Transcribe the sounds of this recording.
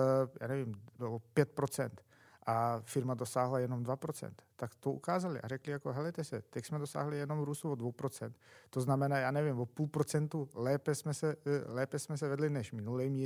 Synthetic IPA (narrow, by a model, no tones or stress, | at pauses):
ja̰ːnɛvɪmblopjɛt̪̚pɾo̞t͡sɛ̰nt̪ | ʔafɪɾmado̞saːɦlajɛno̞mdvapɾot͡sɛ̰nt̪ːakt̪oʔukaːzalɪ̰ʔa̰ɾɛklɪjakoɦɛlɛt̪ɛsɛ̰t̪ɛcsmɛdo̞sa̰ːɦlɪjɛno̞mɾuːst̪uvodvowpɾot͡sɛnt̪t̪ːo̞znamɛnaːjaːnɛvɪmvopuːlpɾot͡sɛnt̪ulɛːpɛsmɛsɛlɛːpɛsmɛs̬ɛvɛdlɪnɛʃmɪnulɛjmi